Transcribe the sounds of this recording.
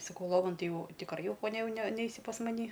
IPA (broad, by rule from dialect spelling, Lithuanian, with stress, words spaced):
sɐˈkɐʊ ˈlˠoːʋɐn ˈtɐɪ ˈjɛʊ tʲɪkˈrɐɪ ˈjɛʊ poːˈnʲɛ jɛʊ nʲɛ ˈnʲɛɪsʲɪ pɐs mɐˈnʲiː